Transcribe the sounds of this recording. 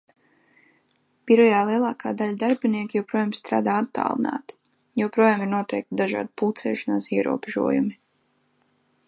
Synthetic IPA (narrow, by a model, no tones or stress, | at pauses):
b̥iɾɔjaːlˠiɛlˠɑːkʰaːd̪aʎad̪aɾbiniɛkʲijɛwpɾuɔjaːmst̪ɾa̰ːd̪aːat̪ːa̰ːlˠna̰ːt̪i̥ | jɛwpɾuɔjaːmiɾnuɔt̪ɛjk̚t̪d̪aʒa̰ːd̪iput̪sɛːʃanaːsiɛɾṵɔbeʒṵɔjṵmi